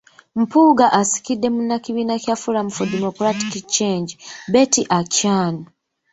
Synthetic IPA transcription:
m̩puɡaʔasi̥kidːe̞munːakiβiːnacjafuɾamufodimokɾati̥kit͡ʃːeːɲd͡ʒibe̞tiʔacaːno

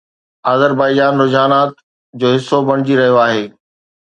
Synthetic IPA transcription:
aːzəɾbaːɪd͡ʑaːnɾʊd͡ʑaːnaːt̪ | d͡ʑoːɦɪsːobɐɽ̃ɪd͡ʑiɾɐɦijoaːɦeː

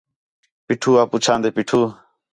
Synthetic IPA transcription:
piʈʰuːaput͡ʃʰaːnd̪epiʈʰuː

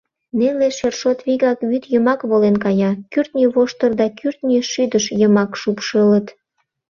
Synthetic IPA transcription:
neleʃerʃot̪βiɣɑkβyt̪jəmɑkβolenkɑjɑkyrt̪nʲyβoʃt̪ərd̪ɑkyrt̪nʲiʃyd̪əʃjəmɑkʃupʃələt̪

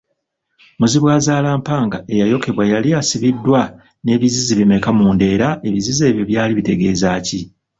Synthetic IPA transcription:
muziβwaːzaːlaːmpaːŋɡae̞jajo̞ke̞βwajalijasiβidːwa | ne̞ːβiziziβime̞kamuːnde̞ːɾae̞βizize̞ːβjo̞βjaːliβite̞ɡe̞ːzaːci

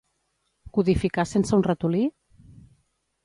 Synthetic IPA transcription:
kuðifikasensəunrət̪uli

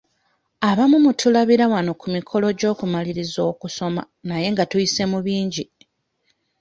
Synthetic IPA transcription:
aβamumutulaβiɾawano̞kumikʰo̞lo̞ɟo̞ːkumaliɾizo̞ːkuso̞ma̰ | naje̞ŋɡatujise̞muβiːɲɟi

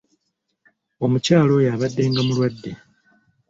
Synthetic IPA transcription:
o̞mucaːlo̞jaβadːe̞ːŋɡamulwadːe

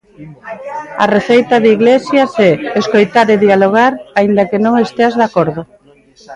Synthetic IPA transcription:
ɐ̰reθejt̪ɐðiɣlesjasɛːskojt̪aɾeðialoɣ̞aɾaind̪akenõŋest̪eazðakoɾðo

